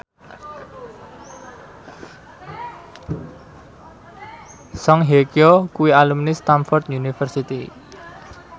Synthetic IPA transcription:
sɔŋɦekiɔkuwialumnist̪amfɔrt̪junifərsit̪i

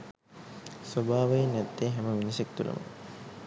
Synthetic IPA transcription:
sobʱaːʋejinɛt̪ːeɦæməʋinisek̚t̪ulʔə̰mə̰

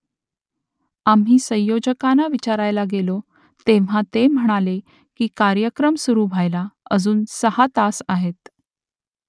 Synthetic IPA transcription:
am̤ɦiːsə̃j̃jod͡ʑəkanaʋit͡ɕaɾajlaɡelo | t̪eʋ̤ãt̪em̤əɽ̃ale | kiːkaɾjəkɾəmsuɾuːbʱajlaəd͡zuːnsəhat̪asaɦet̪

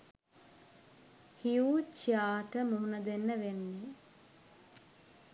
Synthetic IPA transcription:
hiuːt͡ʃiaːʈəmuunəd̪enːəʋenːi

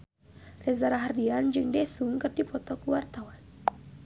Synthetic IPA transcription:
rɛzaɾaɦardiand͡ʒɨŋdɛsuŋkɨrdipɔt̪ɔkuwart̪awan

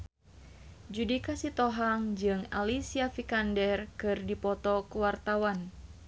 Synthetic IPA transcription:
d͡ʒudikasit̪ɔɦaŋd͡ʒɨŋa̰lisiafikandɛrkɨrdipɔt̪ɔkuwart̪awan

